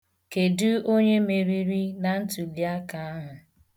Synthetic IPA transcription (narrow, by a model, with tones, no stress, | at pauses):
ke˨du˦o˦ɲe˦me˨ɾi˨ɾi˦na˨n̩˦tu˨li˨a˦ka˦a˦ɦʊ˨